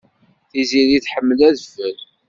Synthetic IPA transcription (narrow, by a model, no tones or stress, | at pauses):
θiziɾiθħəmːəlæðfəl